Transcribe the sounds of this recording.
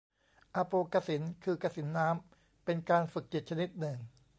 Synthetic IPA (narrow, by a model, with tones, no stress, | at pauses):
ʔa˧poː˧kaː˧si˩˦nkʰɯː˧kaː˧si˩˦nːaː˦˥m | pe˧nkaː˧nfɯ˨˩k̚t͡ɕi˨˩t̪̚t͡ɕʰa˧ni˦˥t̪̚nɯ˨˩ŋ